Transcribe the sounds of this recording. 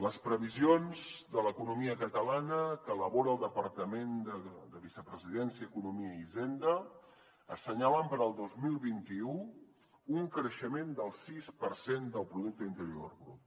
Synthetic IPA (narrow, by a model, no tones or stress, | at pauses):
ləspɾəβizionzd̪ələkunumiəkət̪əlanəkəːləβoɾəːlˠd̪əpəɾt̪əmend̪əd̪əβisəpɾəziðɛnsjəːkunumiəizend̪ə | əsəɲaβəmpəɾəlˠd̪ozmilˠβint̪iu | uŋkɾəʃəmend̪əlˠsispəɾsend̪əlˠpɾuðuk̚t̪əint̪əɾio̰rɣɾṵp̚